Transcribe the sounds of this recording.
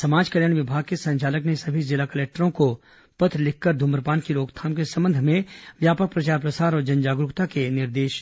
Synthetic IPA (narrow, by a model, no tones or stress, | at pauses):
sɐmaːd͡ʒkəɾjaːñʋɪbʱaːɡ̚kesɐ̃ɲt͡ʃaːləknesɐbʱizɪlakəleːk̚ʈəɾõko | pɐt̪ɾlɪkʰkəɾd̪ʱʊməɾpaːnkiloːɡt̪ʰaːmkesɐ̃mbə̃nd̪ʱmẽʋjaːpək̚pɾɐt͡ʃaːɾpɾɐsaːɾɔːɾd͡ʒɐnd͡ʒaːɡɾʊkt̪akenɪɾd̪eːʃ